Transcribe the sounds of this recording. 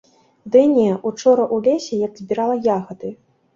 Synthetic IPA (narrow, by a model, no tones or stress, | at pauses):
d̪ɨnʲɛʔut͡ʂɔɾɐʔulʲesʲɛjaɡzʲbʲiɾalˠɐjaɣɐd̪ɨ